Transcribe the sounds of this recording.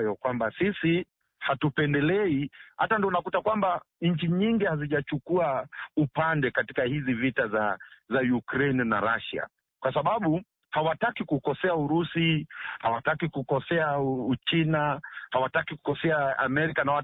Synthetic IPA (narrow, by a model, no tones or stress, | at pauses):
jɔkwambasisi | hatupɛndɛlɛiha̰tandiɔunakutakwamba | ɲ̩t͡ʃiɲiŋɡihaziʄat͡ʃukuaupandɛkatikahizivitazazajukɾɛnna̰ɾaʃa̰ | kwasaɓaɓu | hawatakikukɔsɛauɾusihawatakikukɔsɛaut͡ʃinahawatakiku̥kɔsɛaa̰mɛɾikanawa